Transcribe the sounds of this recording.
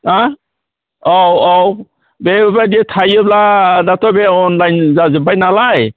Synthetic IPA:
a | owow | bebadietʰajɯbladatʰɔbeɔnlajnzazɯbajnalaj

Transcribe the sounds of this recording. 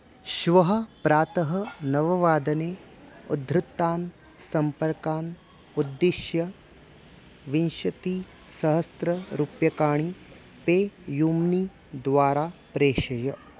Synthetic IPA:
ʃʋɐɦɐpɾaːt̪ɐɦɐnɐʋɐʋaːd̪ɐneː | ud̪ɾɪt̪ːaːn | sɐmpɐɾkaːn | ud̪ːiʃjɐ | ʋinʃɐt̪i | sɐɦɐst̪ɾɐɾupjɐkaːɳi | peːjuːmni | d̪ʋaːɾaːpɾeːʃɐjɐ

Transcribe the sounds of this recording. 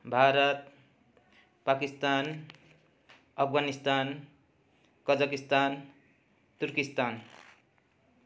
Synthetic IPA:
bʱaɾʌt̪̚ | pakist̪an | ʌpʰɡanist̪an | kʌd͡zʌkist̪an | t̪uɾkist̪an

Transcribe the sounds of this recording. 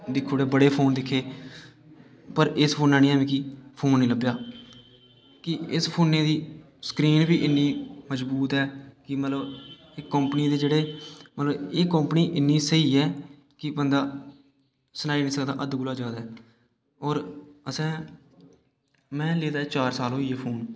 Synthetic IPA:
d̪ɪkʰːoːɽeːbəɽeːpʰoːnd̪ɪkʰːeː | pəɾɪspʰoːnãːnĩːaːʋẽːkipʰoːnːiːləbjaː | kɪɪspʰoːnːẽːd̪iː | sə̥kɾiːnbiːʔɪnːiːməd͡ʒbuːt̪ɦɛːkɪmət̪ləb | ɪkːəmpniːd̪eːd͡ʒeːɽeːmət̪ləbeːkːə̃mpniːʔɪnːiːsəiːɛː | kɪbənd̪aː | sənaːiːnĩːsəkd̪a̰ːʔəd̪ɡʊlaːd͡ʒaːd̪aɦɛː | ɔːɾəsɛ̃ː | mɛ̃ːleːd̪aːt͡ʃaːɾsaːlɦoːiːeːpʰoːn

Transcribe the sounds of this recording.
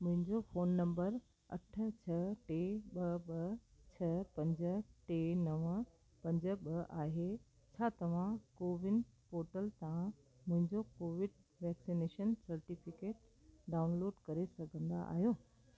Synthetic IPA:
mʊ̃ɦɪ̃ɲd͡ʑofoːnːɐ̃mbəɾ | ɐ̰ʈ̆ʰt͡ɕʰɐʈeɓɐɓɐt͡ɕʰɐpɐ̃ɲd͡ʑə̆ʈenɐʋ | pɐ̃ɲd͡ʑə̆ɓɐʔaːɦe | t͡ɕʰaːt̪ɐʋ̤ãkoːʋɪnpoːɾʈəlt̪ãã | mʊ̃ɦɪ̃ɲd͡ʑokoːʋɪɖ | ʋɛːksineːʃənsɐɾʈɪfɪkeːʈ̚ | ɖaːʊnloːɖkɐɾesɐɡʱə̃nd̪a̰ʔa̰ːɦijoː

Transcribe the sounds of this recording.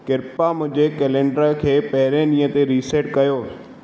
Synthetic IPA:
kɪɾpamʊ̃ɦd͡ʑekeːlẽːɳɖəɾəkʰeːpɐɦɪɾẽnĩːə̃t̪eɾiːseːʈkɐjoː

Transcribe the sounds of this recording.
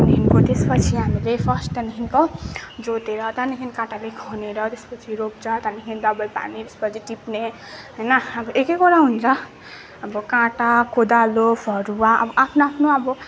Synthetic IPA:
niɦinkot̪espʌt͡sʰiɦamilepʰʌsʈʌniɦinkod͡zot̪eɾʌt̪aniɦʰinkãʈalekʰʌneɾʌt̪espʌt͡sʰiɾop̚d͡zʌt̪aniɦʰind̪ʌbʌjpa̰nit̪e̥spʌt͡sʰiʈipne | ɦʌjnʌʌbʌʔekekoɾaɦunt͡sʰʌ | ʌbʌkãʈakod̪alopʰʌɾuaʌ̰bʌʔapʰnoapʰnoʌbʌ

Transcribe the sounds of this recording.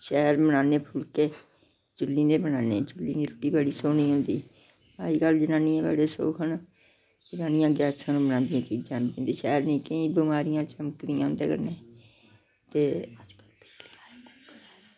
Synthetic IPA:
ʃɛːɾbənaːneːpʰʊlkeː | d͡ʒʊlːiːneːbənaːnḛːd͡ʒʊlːiːniːɾoːʈiːbaːɽiːsoːniːɦʊ̃ːnd̪ḭː | ma̰ːɾiːɡəld͡ʒɪnaːniːɛ̃ːba̰ːɽeːso̰ːkən | d͡ʒɪnaːnijãːɡɛːsãːnũːbənãːnd̪ɪjãːkiːd͡ʒaːnbẽnd̪eːʃɛːɾnĩːkəĩːbɪmaːɾɪjãːt͡ʃəməkd̪ĩã̰ːʊ̃nd̪ḛːkə̰ɾneː | t̪eːəd͡ʒkəlpeke̥aːkəkə

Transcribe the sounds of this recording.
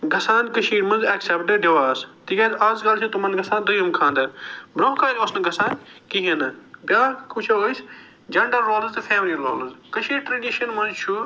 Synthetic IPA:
ɡɐsaːnkəʃʰiːɾmɐnzɛksɛpʈɨɖjeʋaːst̪iɡʲɐːzɐzɡɐlt͡ʃʰit̪umɐnɡɐsaːnd̪ɐjɐmkʰãːnd̪ɐbɾomkʰaːlʲoːsnɐɡɐsaːnkiɦenɨbʲjaːkʰut͡ʃʰoːɡəs | d͡ʒɐɳɖɐlːoːlɐzt̪ɨfʰeːmɾilo̰ːlɐzkəʃiːɾʈɾɐɖiʃɐnmɐ̃nzt͡ʃʰu

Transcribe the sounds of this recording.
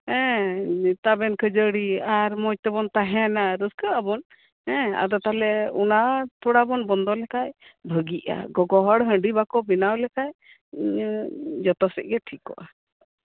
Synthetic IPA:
ɛ̃ | t̪abɛnkʰəd͡ʒəɽiaɾmɔj̚t̪ɛbɔnt̪aɦɛnaɾəskəʔabɔn | ɛ̃a̰d̪ɔt̪alɛunat̪uɽabɔnbɔnd̪ɔlɛkaʔbʱəɡiʔa̰ɡɔɡɔɦɔɽɦə̃ɳɖibakɔbinawlɛkaj | d͡ʒɔt̪ɔsɛ̰ʔ̚ɡɛʈʰikɔ̰ʔa

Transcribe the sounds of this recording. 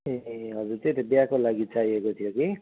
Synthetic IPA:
eɦʌd͡zuɾt̪et̪ebjakolaɡit͡saɦiekot̪ʰijoki

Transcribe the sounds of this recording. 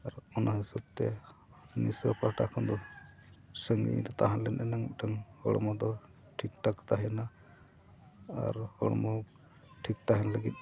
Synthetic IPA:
aɾɔnaɦisɔb̚t̪ɛ | nisəpaʈakʰɔnd̪ɔ | səŋḭɾɛt̪aɦãlɛnɛnaŋʈʰəŋhɔɽɔ̰mɔd̪ɔ | ʈʰik̚ʈakt̪aɦɛna | ɾhɔɽɔmɔ | ʈʰik̚t̪aɦɛnaləɡit̪̚ˀ

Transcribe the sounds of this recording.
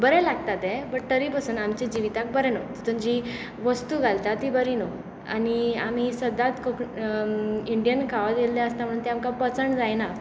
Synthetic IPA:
bəɾɛlaɡ̚t̪at̪ɛbəɽt̪əɾipasuːnamt͡ɕed͡ʑiʋit̪ak̚bəɾɛnot̪ut̪ənd͡ʑi | ʋəst̪uɡʱalt̪at̪ibəɾino | a̰niam̤isəd̪at̪kə | iɳɖijənkʰaʋad̪eld̪aəst̪am̤əɽ̃uːnt̪ɛamkapət͡səɳd͡zajna

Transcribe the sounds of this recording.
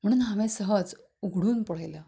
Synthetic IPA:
m̤əɽ̃uːnɦaʋẽsəɦəd͡z | uɡʱɽuːnpɔɭ̤ajlə

